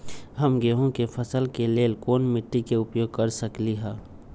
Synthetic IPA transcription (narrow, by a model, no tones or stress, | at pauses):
ɦəmɡeːɦõkefʰɐsəlkeleːlkoːnmɪʈːikeʊpjoːɡ̚kəɾsəkliɦɛː